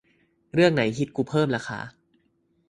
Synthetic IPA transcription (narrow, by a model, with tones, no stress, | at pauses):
ɾɯ˥˩əŋna˩˦jkʰi˦˥t̪̚kuː˧˩pʰɤː˥˩mɾaː˧kʰa̰ː˧˦